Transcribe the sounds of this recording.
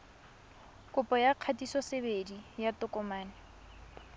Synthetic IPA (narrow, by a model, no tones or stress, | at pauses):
kʼʊpʼɔjaq͡χʰatisɔsebedijatʊkɔmaːnɪ